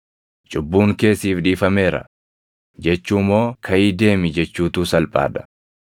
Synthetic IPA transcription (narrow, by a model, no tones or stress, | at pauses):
t͡ʃʼʊbːuːŋke̞ːsiːfᶑiːfɐme̞ːɾɐ̰ | d͡ʒɛt͡ʃːuːmo̞ːkʰɐʔiːd̪e̞ːmɪd͡ʒɛt͡ʃːuːt̪uːsɐlpʼa̰ːᶑ̪ɐ̥